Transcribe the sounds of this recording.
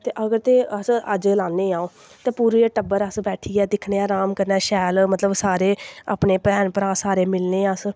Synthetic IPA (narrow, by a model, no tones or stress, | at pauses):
t̪eːʔəɡəɾt̪eːəsəd͡ʒlãːnːeːãːõː | t̪ẽːpuːɾiːəʈəbəɾəsbɛːʈʰiːɛːd̪ɪkʰneːaːɾaːmkəɾnɛːʃɛːlmət̪ləbsaːɾeːa̰ːpneːpɛːnpəɾãːsaːɾeːmɪlneːəs